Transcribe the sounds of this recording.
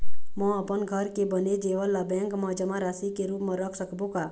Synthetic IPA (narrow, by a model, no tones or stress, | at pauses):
mə̃əpənɡʱəɾkebəned͡ʒeʋəlːabɛ̃ŋkmə̃d͡ʒəmãɾasikeɾuːpmə̃ɾəkʰsəkʰbokaː